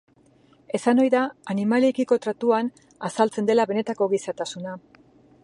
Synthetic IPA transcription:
e̞sano̞jðaːnimaliekiko̞t̪ɾat̪uan | asalt͡se̞nd̪e̞laβe̞ne̞t̪ako̞ɣisat̪asuna

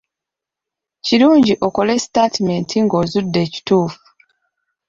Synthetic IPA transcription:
ciluːɲɟiʔo̞ko̞le̞staːtime̞ntʰiŋɡo̞zudːe̞ːci̥tuːfu̥

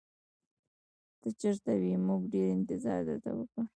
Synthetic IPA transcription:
t̪ət͡ʃəɾt̪awimuɡɖeɾɪnt̪ɪzɑɾd̪ə̰ɾt̪a̰wəkɽu

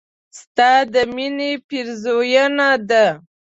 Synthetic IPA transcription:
st̪ɑd̪əminepiɾzojanad̪a

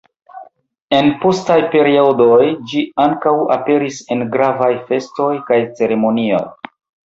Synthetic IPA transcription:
e̞npo̞stajpe̞ɾiodojd͡ʒiaŋkawape̞ɾise̞nɡɾavajfe̞sto̞jkajt͡se̞ɾe̞mo̞nio̞̰j

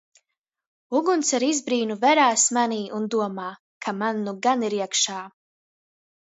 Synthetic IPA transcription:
uɡunsaɾizbɾiːnuvɛɾaːsmaniːʔund̪uɔmaː | kʰamanːuɡaniɾiɛkʃaː

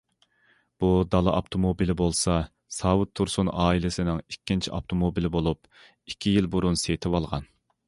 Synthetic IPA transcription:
b̥ud̪ɑlˠɨʔɑpt̪ʰomobilɪbolˠsɑ | sɑːwut̪ʰːuɾsunɑːilɪsɪnɪŋikʲːint͡ʃʰiʔɑpt̪ʰomobilɪbolˠup | i̥kʲʰːijilbuɾunset̪ʰɪwɑlˠʁɑ̰n

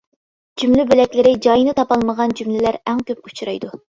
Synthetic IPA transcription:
d͡ʒymlybylɛkʲlɪɾɪd͡ʒɑjinɨt̪ʰɑpɑlˠməʁɑnd͡ʒymlɪlæɾɛŋkʲøpu̥t͡ʃɾɑjd̪u

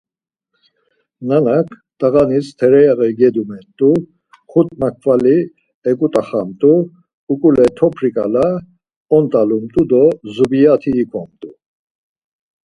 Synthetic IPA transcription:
nanakʰ | t̪ʼaɣanist̪ʰɛɾɛjaɣɛɡɛd̪umɛnt̪ʼu | χʰut̪ʼmakʰvali | ɛkʼut̪ʼaχamt̪ʼu | ukʼulɛt̪ʰɔpʰɾikʼala | ɔnt̪ʼalumt̪ʼud̪ɔzubijat̪ʰiːkʰɔmt̪ʼu

